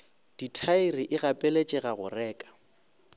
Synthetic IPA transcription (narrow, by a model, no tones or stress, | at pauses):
d̥itʰaɪrɪʔɪɣapʼelet͡ʃʼɛɣaɣʊ̰rɛːkʼḁ